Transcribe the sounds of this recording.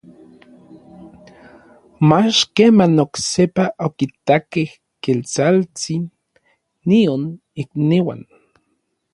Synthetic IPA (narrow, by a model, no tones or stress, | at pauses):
mat͡ʃkemanoksepaʔokit̪akeh | kelt͡salt͡sinː | ion | ikniwa̰n